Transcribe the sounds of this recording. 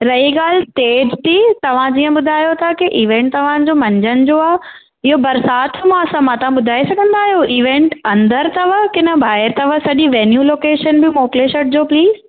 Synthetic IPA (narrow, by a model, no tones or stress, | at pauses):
ɾɐiɠaːlsʈeːd͡ʑt̪ʰit̪ɐʋ̤ãd͡ʑiːə̃ɓʊd̪ʱaːjot̪ʰakiʔiːʋẽːɳʈt̪ɐʋ̤ãd͡ʑoːmɐ̃ɲd͡ʑənɪ̆d͡ʑoːaː | ɪɦobɐɾsaːt̪ʰɪmãɐsãmãt̪ɐʋ̤ãɓʊd̪ʱaːisɐɡʱə̃nd̪aːɦijoiːʋẽːɳʈɐ̃nd̪əɾt̪ɐʋəkɪnə̆bʱaːɪɾt̪ɐʋəsɐʄiʋeːnjuːloːkeːʃənbɪmoːkleʃəɾʈ̚d͡ʑoːpliːz